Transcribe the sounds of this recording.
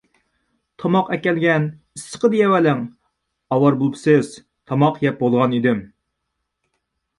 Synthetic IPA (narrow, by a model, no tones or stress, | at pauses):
t̪ʰɑmɑqɛkʲɛlɡʲɛn | isːə̥qəd̪ɨjɛwɛlɪŋ | ɑwɑɾbolˠpsɨz̥ | t̪ʰɑmɑqjɛp̚bolˠʁɑnid̪ɪm